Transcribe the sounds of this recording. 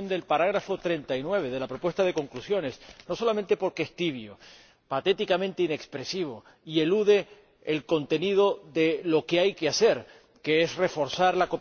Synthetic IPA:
ond̪e̞lpaɾaɣɾafot̪ɾe̞nt̪ajnwe̞β̞e̞ðe̞lapɾo̞pwe̞st̪að̞e̞ko̞ŋklusjo̞ne̞snoso̞lament̪e̞po̞ɾkeest̪iβ̞jo | pat̪e̞t̪ikamẽ̞nt̪eine̞kspɾe̞siβ̞o̞ | ie̞luðe̞ː | lko̞nt̪e̞niðo̞ðe̞lo̞keajkease̞ɾ | keesre̞fo̞ɾsaɾlako̞p

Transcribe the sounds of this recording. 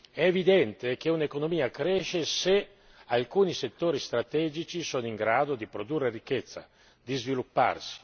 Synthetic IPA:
ɛːvid̪ɛnt̪ek̟eunekonomiːakɾɛːʃese | alkuːniset̪ːoːɾist̪ɾat̪ɛd͡ʒit͡ʃisoniŋɡɾaːd̪od̪ipɾod̪urːerikːɛt̪sːa̰ | d̪izvilupːa̰rsi̥

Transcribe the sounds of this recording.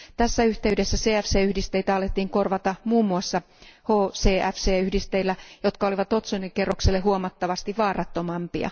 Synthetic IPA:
t̪æsːæyht̪eydesːæseːæfseːyhdist̪eit̪æɑlet̪ːiːŋkorʋɑt̪ɑmuːmːuɑsːɑ | hoːseːʔæfseːyhdist̪eilːæjo̞t̪kɑoliʋɑt̪ot̪sunikːerːokselːehuomɑt̪ːɑʋɑst̪iʋʋɑːrɑt̪ːomɑmpiɑ̰

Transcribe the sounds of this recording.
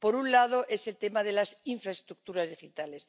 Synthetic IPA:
po̞ɾunlað̞o̞ʔe̞selt̪e̞maðe̞lasiɱfɾaest̪ɾuk̚t̪uɾazðixit̪ale̞s

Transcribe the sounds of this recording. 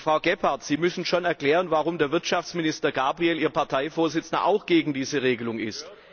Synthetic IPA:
fʁ̥aʊɡɛpaɐtz̥iːmʏsn̩ʃoːnɛɐklɛːʁənvaʁʊmdeːɐvɪɐtʃaft͡smɪnɪstɐɡaːbʁiɛliːɐpʰaɐtʰaɪfoːɐzɪt͡sna̰ʔa̰ʊxɡ̥eːɡŋ̩diːzəʁeːɡəlʊŋɪ̰st

